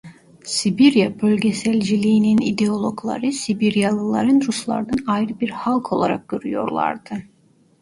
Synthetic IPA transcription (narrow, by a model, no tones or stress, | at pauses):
sibiɾjabølʲɟesælʲd͡ʒilʲiːninid̪eo̞lˠo̞klˠa̰ɾɯsibiɾjalˠɯlˠaɾɯnɾuslˠa̰ɾd̪anajɾɯbiɾhalˠkʰo̞lˠaɾak̚ɡ̥øɾyjo̞̰ɾlˠa̰ɾd̪̥ɯ